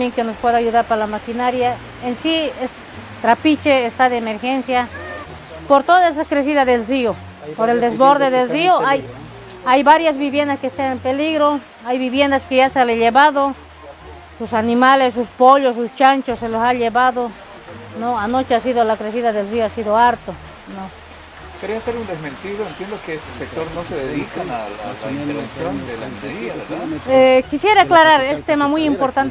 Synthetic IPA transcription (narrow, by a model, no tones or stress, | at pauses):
amjeŋkenospweðajuðaɾpaɾlamakinaɾja | ensies | t̪ɾapit͡ʃeːst̪aðeːmeɾxensja | poɾt̪oðaesakɾes̬iðaðelsio | poɾeld̪ezβoɾðeðelsioaj | ajbaɾjasβiβjend̪askest̪anempeliɣɾo | ajβiβjend̪askejasaleʎeβaðo | susanimalesːuspoʎosust͡ʃant͡ʃosːelosaʎeβaðo | noanot͡ʃeasiðolakɾes̬iðaðelrioasiðoaɾt̪o | no | keɾeaseɾund̪ezmẽnt̪iðoent̪jend̪okeest̪e̥sek̚tt̪oɾnoseðeðikaaaeɾβḛnsjond̪elant̪eɾiaeɾðaekisjeɾaklaɾaɾest̪emamujimpoɾt̪ant̪